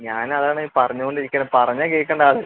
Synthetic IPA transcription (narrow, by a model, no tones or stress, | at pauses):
ɲaːnɐðaːɳiːpɐrɐɲːuɣoɳɖiɾikʲːɐnɐpɐrɐɲːakeːkːɐɳɖaːðɨ